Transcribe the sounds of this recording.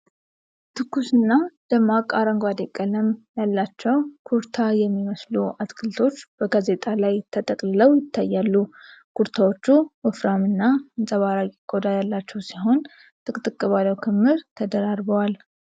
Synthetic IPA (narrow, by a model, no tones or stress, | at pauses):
t̪ʰɨkʰːusɨnːad̪̥əmakʼaɾəŋɡʷwad̪ekʼːələmjalːat͡ʃːɛwkʰuɾt̪ʰajɛmːiməsluʔat̪kʰɨlt̪ʰo̞t͡ʃːb̥əɡaze̞t̪ʼalajt̪ʰət̪ʼəkʼlɨləwjɪt̪ʰːajːalːukʰuɾt̪ʰawo̞t͡ʃːuwɔfɾamɨnːaɨnsʼəβaɾajɪɡ̥ʼo̞d̪ajalːat͡ʃːɛwsiɦo̞n | t̪ʰʼɨkʼt̪ʼɨkʼːɨβaləwkʰɨmːɨɾt̪ʰəd̪əɾaɾbəwal